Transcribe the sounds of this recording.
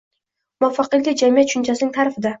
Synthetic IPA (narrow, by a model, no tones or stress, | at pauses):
mʊafːɑqɨlːʲɪd͡ʒamɪjat̪ʃʊnt͡ʃʰasɪnɪŋt̪ʰaɾɪfɪd̪a